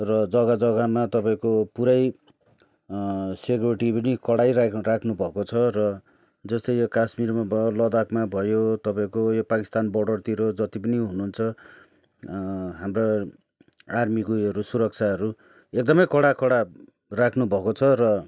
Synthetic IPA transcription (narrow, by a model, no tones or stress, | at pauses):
rʌd͡zʌɡad͡zʌɡamat̪ʌpaĩkopuɾaj | sekjuɾiʈipʌnikʌɽajɾarakʰnubʱʌkot͡sʰʌrʌ | d͡zʌst̪ʌjjokasmirmabʱlʌd̪akmabʱʌjot̪ʌpaĩkojopakist̪anbʌɽʌrt̪iɾod͡zʌt̪ipʌniɦunuɦunt͡sʰʌ | ɦamra | armikoʌɾusuɾʌk̚t͡sʰaɦʌɾu | ek̚d̪ʌmʌjkʌɽakʌɽa | rakʰnubʱʌkot͡sʰʌrʌ